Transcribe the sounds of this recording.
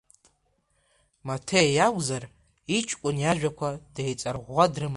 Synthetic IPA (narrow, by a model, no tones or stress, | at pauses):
matʰejjaɡʷzar | it͡ʃʰʼkʷʼʊnjaʒᶣakʷʰad̥ejt͡sʼarʁʷadrɨm